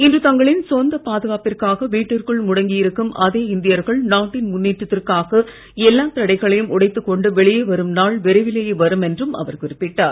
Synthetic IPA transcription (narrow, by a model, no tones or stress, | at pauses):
ɪndrɯt̪ɐŋɡɐɭɪnsɔnd̪ɐpaːðɯɣaːpɪrkaːɣɐʋiːʈːɯrkɯɭmʊɽɐŋɡɪjɪɾɯkːɯmʔɐðeːɪnd̪ɪjɐɾɣɐɭnaːʈːɪnmʊnːiːʈrɐt̪ːɪrkaːɣɐ | ɛlːaːt̪ɐɽɐɪɣɐɭɐjɯmʊɽɐɪt̪ːɯkːɔɳɖɯʋɛɭɪjeʋɐɾɯmnaːɭʋɪɾɐɪʋɪlɐjeʋɐɾɯmɛndrɯmɐ̰ʋɐɾkʊɾɪpːɪʈːaːɾ